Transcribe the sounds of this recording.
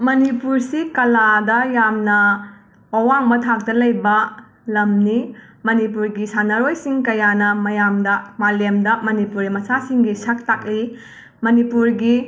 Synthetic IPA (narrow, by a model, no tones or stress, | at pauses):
mɐnipuɾsikɐladɐjamnɐ | ɐwaŋmɐtʰak̚tɐlɐjbɐ | lɐmnimɐnipuɾɡisanɐɾojsiŋkɐjanɐmɐjamdɐmalemdɐmɐnipuɾimɐsasiŋɡisɐk̚tak̚li | mɐnipuɾɡi